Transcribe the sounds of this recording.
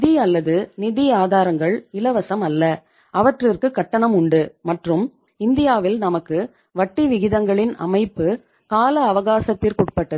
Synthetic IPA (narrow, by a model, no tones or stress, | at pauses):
ɪðiɐlːɐðɯnɪðɪaːðaːɾɐŋɡɐɭɪlɐʋɐsɐmɐlːɐ | ʔɐʋɐʈrɪrkɯkːɐʈːɐɳɐmʊɳɖɯmɐʈrɯm | ɪnd̪ɪjaːʋɪlnɐmɐkːɯ | ʋɐʈːiʋɪɣɪðɐŋɡɐɭɪnɐ̰mɐɪpːɯ | kaːlɐːʋɐɣaːsɐt̪ːɪrkʊʈ̚pɐʈːɐð